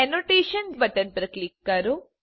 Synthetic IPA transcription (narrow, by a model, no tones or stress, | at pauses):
enoʈeːʃɐnsbɐʈɐnpɾɐklikːaɾu